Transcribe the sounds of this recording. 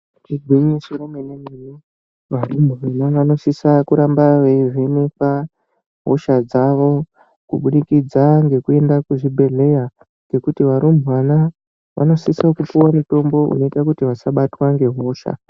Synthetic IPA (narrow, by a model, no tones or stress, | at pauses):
iɡʱwiɲisoɾomenenenu | ʋaɾumbuʋanaʋano̞sisakuɾambaʋeʐenupa | ɦo̞ʃad͡zaʋo̞ | kuɓuɗikid͡zaŋɡe̞kue̞ndakuʐibʱe̞ɮe̞ja | ŋɡe̞kutiʋaɾumbʱuwana | ʋa̰no̞sisakupuwamito̞mbo̞ṵno̞itakutiʋasaɓatwaŋɡe̞ɦo̞ːʃa̰